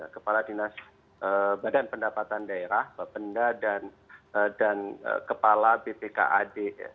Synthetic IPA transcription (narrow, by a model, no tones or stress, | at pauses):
a̰kəpaladinas | ʔəbadanpəndapat̪andaeɾahbapəndadan | ədanə̰kəpalabepeka̰ʔadea̰